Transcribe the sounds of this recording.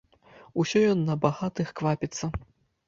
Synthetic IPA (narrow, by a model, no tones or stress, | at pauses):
usʲɔjɔnːɐbaɣat̪ɨxkvapʲit̪sːɐ